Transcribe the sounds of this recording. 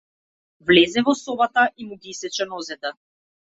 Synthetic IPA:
vlɛzɛvɔsɔbat̪aʔimuɡiisɛt͡ʃɛnɔzɛt̪ɛ

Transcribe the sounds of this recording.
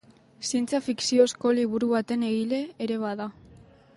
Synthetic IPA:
sie̞nt͡safiksio̞sko̞liβ̞uɾuβat̪e̞ne̞ɣile̞ːɾe̞β̞aða

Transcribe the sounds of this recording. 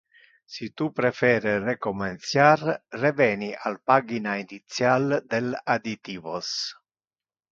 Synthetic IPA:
sit̪upɾɛfɛːɾɪrɛkɔmɛnt̪sjarrɛvɛːniʔalpaːɡinainit̪sjald̪ɛlad̪it̪iːvɔs

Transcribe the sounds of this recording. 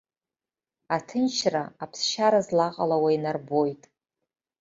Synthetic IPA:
atʰɨnt͡ʃʰraapʰsʃaɾazlaqʼalawainarbo̞jtʼ

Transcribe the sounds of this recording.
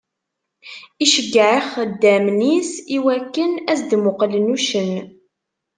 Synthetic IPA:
iʃəɡːʕəχd̪ːæmnisiwækːənæsd̪mʊqlənuʃən

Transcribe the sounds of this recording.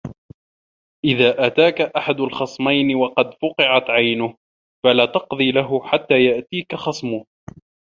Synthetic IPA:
ʔɪðaːʔat̪aːkaʔaħad̪alxɑsˤmajnɪwɑqɑd̪fʊqɨʕat̪ʕajnʊh | falaːt̪ɑqðˤiːlaɦʊħat̪ːaːjaʔt̪iːkaxɑsˤmʊh

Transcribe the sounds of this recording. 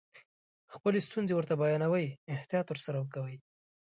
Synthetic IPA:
xpəlest̪unzewəɾt̪abajɑnawəjɪht̪ijɑt̪wəɾsaɾawəkawəj

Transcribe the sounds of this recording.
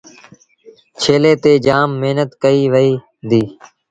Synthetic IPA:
t͡ʃʰeːleːt̪eːd͡ʒaːmːeːnət̪kəiːʋəiː | d̪iː

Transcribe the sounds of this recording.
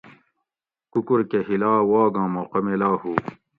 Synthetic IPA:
kukuɾkehilaːwaːɡɑ̃ːmoqɐmelaːhuː

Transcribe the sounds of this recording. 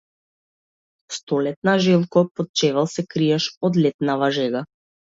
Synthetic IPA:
st̪ɔlɛt̪̚naʒɛlˠkɔpɔt̪̚t͡ʃɛvalˠsɛkɾijaʃɔd̪lɛt̪navaʒɛɡa

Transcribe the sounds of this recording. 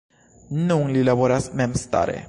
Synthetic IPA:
nuŋlilavoɾasmɛmst̪a̰ɾḛ

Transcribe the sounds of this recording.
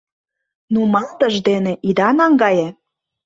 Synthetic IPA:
numɑlt̪əʒd̪eneʔid̪ɑnɑŋɡɑje

